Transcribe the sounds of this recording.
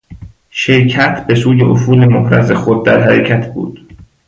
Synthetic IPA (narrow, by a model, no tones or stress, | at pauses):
ʃeɾcʰæt̪ʰbe̞suːje̞ʔofuːlemohɾæ̰ze̞xod̪̚ːæɾɦæɾecʰæt̪ʰbṵːd̪̥